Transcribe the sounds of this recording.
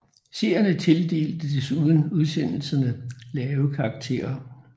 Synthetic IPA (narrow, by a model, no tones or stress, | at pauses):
se̝̰ɐ̰jɐnət͡sʰe̝ld̥e̝̰ːld̥əd̥esuð̞ˠn̩uð̞ˠsen̰l̩sɐnəlɛːʊkʰɑ̈ːɡ̥t͡sʰe̝̰ːɐɐ